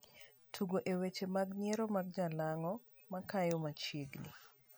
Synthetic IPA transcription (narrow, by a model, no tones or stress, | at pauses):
tʰuɡoʔewet͡ʃemaɡɲeɾomaɡ̚d͡ʒalaŋɔ | makajomat͡ʃjeɡnḭ